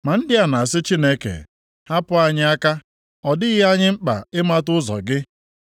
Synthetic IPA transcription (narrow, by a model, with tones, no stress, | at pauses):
ma˨n̩˦dɪ˦a˨na˨a˨s̬ɪ˦t͡ʃi˦ne˦kḛ˨ | ha˦pʊ˦a˨ɲɪ˦a˦ka˦ | ɔ˨dɪ˦ɣɪ˦a˦ɲɪ˦ŋ͡m̩˦k͡pa̰˨ɪ˦ma˦tʊ˦zɔ̰˨ɡɪ˦